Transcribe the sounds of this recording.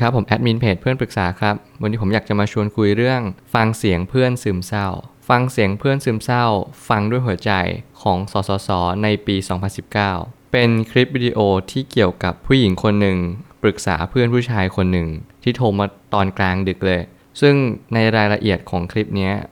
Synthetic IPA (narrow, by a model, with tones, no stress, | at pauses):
kʰa˦˥pʰːo˩˦mʔɛ˦˥t̪̚miː˧npʰeː˨˩t̪pʰɯ˥˩ənpɾɯ˨˩k̚saː˩˦kʰɾa˦˥p̚wa˧nʰi˧pʰo˩˦mjaː˨˩t͡ɕa˨˩ʔmaː˧t͡ɕʰu˧ənkʰu˧jɾɯ˥˩əŋfa˧ŋsi˩˦əŋpʰɯ˥˩ənsɯː˧msa˥˩wfa˧ŋsi˩˦əŋpʰɯ˥˩ənsɯː˧msa˥˩wfa˧ŋdu˥˩əjɦu˩˦ɐt͡ɕa̰˧jkʰɔː˩˦ŋsɔː˩˦sɔː˩˦sɔː˩˦na˧jpiː˧sɔː˩˦ŋpʰa˧nsi˨˩p̚kaː˥˩wpe˧nkʰɾi˦˥p̚wiː˧di˧ʔoː˧t̪ʰiː˥˩ki˨˩əwka˨˩pʰːuː˥˩ji˩˦ŋkʰo˧nːɯ˨˩ŋpɾɯ˨˩k̚sa̰ː˩˦pʰɯ˥˩ənpʰuː˥˩t͡ɕʰaː˧jkʰo˧nːɯ˨˩ŋt̪ʰiː˥˩t̪ʰoː˧maː˧t̪ɔː˧nklaː˧ŋdɯ˨˩k̚lɤː˧j | sɯ˥˩ŋna˧jɾaː˧jla˧ʔi˨˩ət̪̚kʰɔː˩˦ŋkʰɾi˦˥p̚ni˦˥ɐ